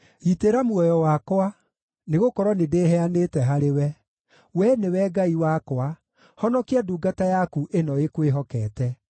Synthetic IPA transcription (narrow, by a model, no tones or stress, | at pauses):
iteɾamwɔjɔwakwa | neɣokɔɾwɔnedeːɦɛanetɛɦaɾewɛ | wɛnewɛɡaiwakwa | hɔnɔkiaduːɡatajakuʔenɔekweɦɔkɛːtɛ